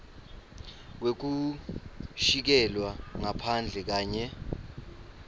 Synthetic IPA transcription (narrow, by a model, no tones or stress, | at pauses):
wek̬u | ʃik̬ɛlwaŋapʰand͡ɮʱɛk̬aːɲɛ